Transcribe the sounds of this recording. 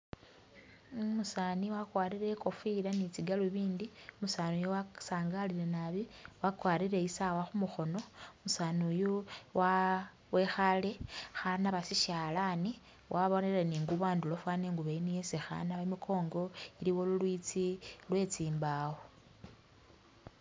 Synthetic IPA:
musaniwakwaɾiɾe̞ko̞filanit͡siɡaluβiːndimusanujowasaːŋɡaliɾenaβiwakwaːɾiɾe̞isawaxumuxo̞no̞musaːnujowa | wexale̞xanaβasiʃaːlani | wʔaβo̞neɾeniːŋɡuβaːndulofwaneŋɡuβeinijesexa̰naβamikʰo̞ːŋɡo̞iliwo̞lulwit͡silwe̞t͡siːmbawo

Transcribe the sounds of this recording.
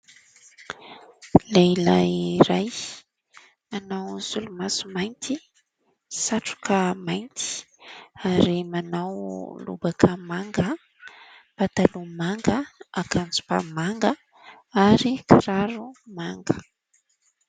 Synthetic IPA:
lelaiɾaj | manawz̥ulumasumajnt̪ʰi | saʈ͡ʂu̥kʰəmajnt̪i̥ | aɾimanawlṵbakʰəmaŋɡə | pat̪alumaŋɡəakʰand͡zu̥pa̰maŋɡə | aɾikiɾaɾumaŋɡə

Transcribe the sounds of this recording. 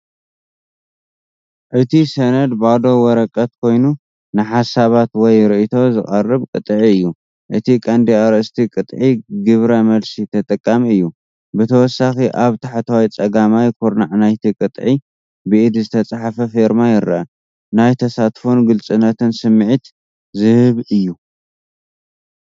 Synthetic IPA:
ʔɨt̪ʰisɐnɐd̪bad̪o̞wɔɾɐkʼɐt̪̚kʰo̞jnu | nɨħasaβat̪wɔjɾɨʔit̪ʰo̞zɨχʼɐrːɨβkʼɨt̪ʼʕiɨjːu | ʔɨt̪ʰikʼɐnd̪iaɾɐst̪ʰikʼɨt̪ʼʕiɡɨβɾɐmɐlsit̪ʰɐt̪ʼɐkʼːamiɨjːu | bɨt̪ʰɐwɔsːaxiʔaβt̪ʰaħat̪ʰɐwajt͡sʼɐɡamajkʰuɾnaʕnajt̪ʰikʼɨt̪ʼʕi | bɨʔɨd̪zɨt̪ʰɐt͡sʼaħafɐfeɾmajɪɾːaʔa | najt̪ʰɐsat̪fonɡɨlt͡sʼɨnːɐt̪ɨnsɨmːʕit̪ | zɨhɨβɨjːu

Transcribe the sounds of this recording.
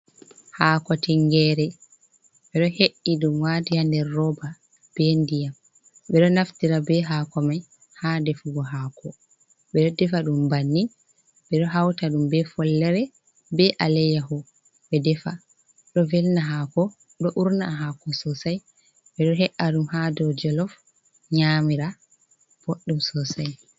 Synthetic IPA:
haːkɔtiŋɡɛɾɛ | ɓɛɗɔheʔːiɗumwadijandɛɾːɔba | b̥ɛndijam | ɓɛɗɔnaftiɾabɛɦaːkɔmaj | hadɛfuɡɔɦaːkʰɔ | ɓɛɗɔdɛfaɗumbanːi | ɓɛɗɔɦawtaɗumbɛfɔlːɛɾɛ | bɛʔalɛjahɔ | ɓɛdɛfa̰ | ɗɔvɛlnaɦakɔ | ɗɔʔuɾnaɦakɔsɔsaj | ɓɛɗɔɦɛʔːaɗumhadɔd͡ʒɔlɔf | ɲamiɾa | b̥oɗːumsɔsaj

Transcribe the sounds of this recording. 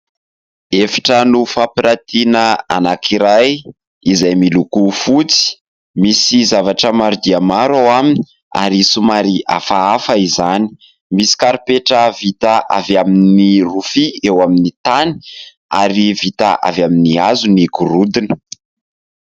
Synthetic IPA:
efḁʈ͡ʂənufapiɾat̪inəa̰nakʰiɾaj | izajmilukufut͡si̥ | misizavaʈ͡ʂəmaɾud̪iamaɾawamini | a̰ɾisumaɾia̰faafəizani̥ | misi̥kaɾipeʈ͡ʂəvit̪aʔavaminnirufiewaminit̪ani̥ | aɾivit̪aʔa̰vaminiazuniɡuɾud̪inə̥

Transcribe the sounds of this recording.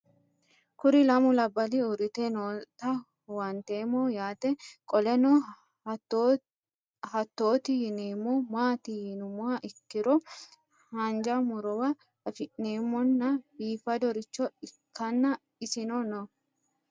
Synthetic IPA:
kʊɾɪlɐmʊlɐbːɐliʊɾɪt̪enoːt̪ɐ | wɐnt̪eːmːɔjaːt̪ɛkʼɔlɛnɔ | hɐt̪ːo̞ːt̪ɪjɪneːmːɔmaːt̪ɪjɪnʊmʊɐʔɪkːɪɾɔ | hɐnd͡ʒɐmʊɾɔwɐ | ɐfɪʔneːmːɔnːɐbiːfɐd̪ɔɾɪt͡ʃːɔɪkːɐnːɐ | ɪsɪnɔnɔ

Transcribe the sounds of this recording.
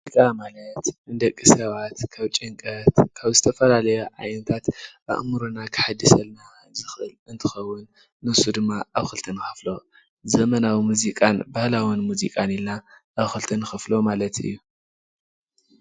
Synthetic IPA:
mikʼamalɐt̪ɨnd̪ɐkʼːisɐβat̪kʰaβt͡ʃʼɪŋkʼɐt̪kʰaβzɨt̪ʰɐfɐlalɐjuʕa̰jnɐt̪ʰat̪ʔa̰ʔmɨɾunakʰɨ̥ħad̪ːɨsɐlna | zɨxʔɨlɨnt̪ʰɨxɐwːʊnː | ɨsud̪ɨmːaaβxɨlt̪ʰɐnxɨ̥flo̞ | zɐmɐnawimuzikʼanbahlawinmuzḭkʼanilnaʔaβxɨlt̪ʰɐnxɨflo̞malɐt̪ɨ̰jːu

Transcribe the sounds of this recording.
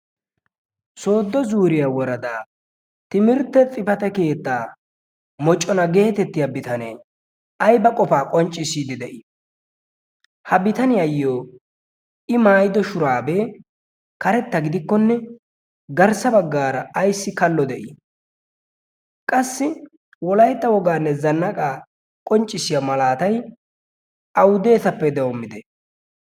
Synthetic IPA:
so̞ːd̪ːɔzuːɾɪjawɔɾɐd̪aː | t̪ɪmɪɾt̪ːɛt͡sʼɪfɐt̪ɐke̞ːt̪ːaː | mɔt͡ʃʼːɔnɐɡe̞ːt̪ɛt̪ːɪjɐbɪt̪ɐnɛ̰j | ɐjbɐkʼɔfaːkʼɔnt͡ʃʼːɪsiːd̪ɪd̪ɛʔɪ | hɐbɪt̪ɐnɪjɐjːoː | ʔɪmaːjɪd̪ɔʃʊɾaːbɛ | kɐɾɛt̪ːɐɡɪd̪ɪkːɔnːɛ | ɡɐɾsɐbɐɡːaːɾɐːjsːɪkɐlːɔd̪ɛʔɪ | kʼɐsːɪ | wɔlɐjt̪ːɐwɔɡaːnːɛzɐnːɐkʼaː | kʼɔnt͡ʃʼːɪsɪjamɐlaːt̪ɐj | ʔɐwʊd̪e̞ːsɐpːɛd̪ɛwɔmːɪd̪ɛ

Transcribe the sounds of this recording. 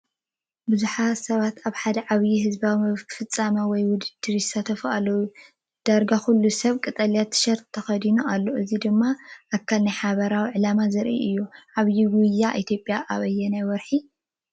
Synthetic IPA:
bɨzuħasɐβat̪aβħad̪ɐʕaβjiɦɨzbawimɨfɨt͡sʼːamɐwɔjwʊd̪ɨd̪̥ɨɾisat̪ʰɐfʔa̰lɐwu | d̪̥aɾɡaxulːusɐβkʼɨt̪ʼɐljat̪ʰːɨ̥ʃɐɾt̪ʰːɐxɐd̪inuʔalːoʔɨzid̪ɨmːaʔakʰːalnajħaβɐɾawiʕɨlamazɐɾʔḭʔɨjːuʕaβjiɡujːaʔit̪ʰjo̞pʼːjaʔaβɐjːɛnajwɔɾħi

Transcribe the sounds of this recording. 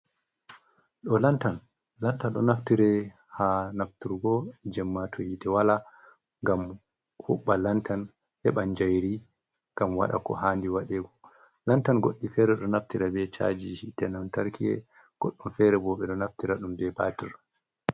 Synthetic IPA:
ɗɔlantan | lantanɗɔ̰naftiɾɛ | hanaftuɾɡɔd͡ʒɛmːatʰɔhitɛwala | ŋɡam | huɓːalantʰan | hɛɓand͡ʒajɾi | ŋɡamwa̰ɗa̰kɔ̰haːndiwaɗɛɡɔ | lantanɡoɗːifɛɾɛɗɔnaftiɾabɛt͡ʃa̰d͡ʒihitɛnantaɾkiɛ̰ | ɡ̥oɗːumfɛɾɛbɔɓɛɗɔnaftiɾaɗumbɛbaːtiɾ

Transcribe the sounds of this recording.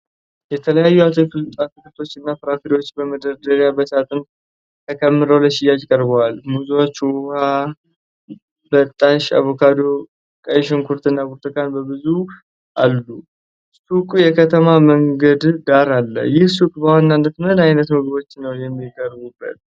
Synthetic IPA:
jɛt̪ʰələjajːuat̪ʰɨkɨlt̪ʼat̪ɨkt̪ʰo̞t͡ʃːɨnːapɨɾafiɾiwo̞t͡ʃːbəməd̪əɾd̪əɾjabəsat̪ʼɨn | t̪ʰəkʰəmːɨɾəwləʃɪjːad͡ʒɪkʼəɾbəwalmuzuwat͡ʃːwuha | bət̪ʼːaʃa̰βokʰad̪o̞ | kʼəjʃɪnkʰuɾt̪ʰɨnːakuɾt̪ʰʼɨkʼanbəbɨzu | ʔalːu | sukʼujɛkʰət̪ʰəmaməŋɡəd̪d̪aɾalːə̰jɪhsukʼbəwanːanːət̪mnajnət̪mɨɡbo̞t͡ʃːnːəwjɛmːikʼəɾbubːə̰t̪̚

